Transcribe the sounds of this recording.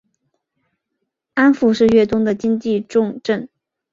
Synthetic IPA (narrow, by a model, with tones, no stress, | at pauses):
a˥nfu˥˧ʂɻ̩˥˧ɥɛ˥˩t̪ʊ˥ŋd̪ə˨t͡ɕi˥ŋt͡ɕi˥˧ʈ͡ʂʊ˥˧ŋʈ͡ʂə˥˩n